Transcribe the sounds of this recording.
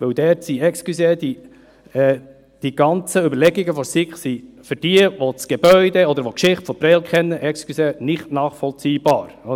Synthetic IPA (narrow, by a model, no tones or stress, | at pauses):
ʋɵwd̥̪ɛːtsiɛksklysed̥̪i | ɛ | d̥iɡ̥ɑnt͡səʏbəɾlɛɡiɡəfɔsɪkχsifʏɾd̥iəʋot͡sɡ̥ebœʏd̪eɔd̪əɾʋokʃɪχtfɔpɾɛlkχɛnːəʔɛksklysenɪχtnɑːχfɔlt͡siːb̥ɑːɾɔ